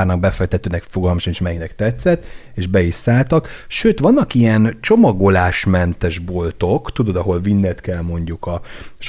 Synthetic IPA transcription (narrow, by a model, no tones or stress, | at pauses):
rnɒɡ̚bɛfɛk̚t̪ɛt̪øːnɛkfo̞ɡɒlmɒʃɒniʃmɛjiɡnɛkt̪ɛt̪sɛt̪ː | eːʒbɛiʃsaːlt̪ɒkʃøːt̪ʋɒnːɒkijɛnt͡ʃo̞mɒɡo̞laːʃmɛnt̪ɛʒbo̞lt̪o̞kt̪ud̪o̞d̪ɒɦo̞lvinːɛt̪kɛlmo̞ɲɟukɒʃ